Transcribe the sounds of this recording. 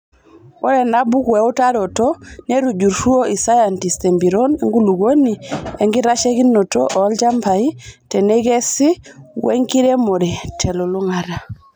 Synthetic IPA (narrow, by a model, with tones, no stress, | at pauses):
wɔ˦ɾɛ˨nabu˦kwɛ˨u˦taɾɔ˨tɔne˦ɾud͡ʒu˨ɾsu˦o˦i˨sa˦ja˨nti˨stɛ˨mbi˨ɾɔ˦nɛ˦ŋɡu˦lu˨ɡo˦ni˨ɛ˨ŋɡi˦ɾa˦ʃɛ˦ki˦nɔ˨tɔ˦ʔɔ˨˦ld͡ʒa˦mpa˨itɛ˨nɛkɛ˦si˦wɛ̰˦ŋki˦ɾe˦mo˨ɾɛ˨tʰɛ˨lɔ˨lu˦ŋa˨ɾa˨